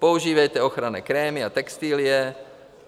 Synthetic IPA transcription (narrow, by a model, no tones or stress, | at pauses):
pouʒiːvɛjt̪ɛoxɾanɛkɾɛːmɪat̪ɛkst̪iːlɪjɛ